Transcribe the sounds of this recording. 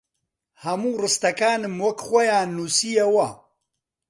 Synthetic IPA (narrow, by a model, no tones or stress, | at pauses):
hɐmuːrɨst̪ɐkaːnɨmwɐkχʷɐjaːnːusijɐwɐ